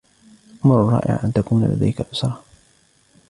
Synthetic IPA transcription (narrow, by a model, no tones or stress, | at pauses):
ʔamɾʊrˤːɑ̰ːʔɪ̰ʕʔant̪akuːnala̰d̪a̰jkaʔʊsɾˤɑː